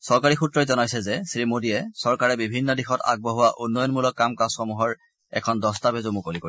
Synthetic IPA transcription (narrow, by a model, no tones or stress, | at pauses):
sɔɹkaɹixutɹɔjzɔnajsɛzɛsɹimodiɛsɔɹkaɹɛbibʱinːɔdixɔta̰ɡ̚bɔɦʊwaʔunːɔjɔnmulɔkːamkasxɔmuɦɔɹ | ɛ̰kʰɔndɔstabɛzomukoliko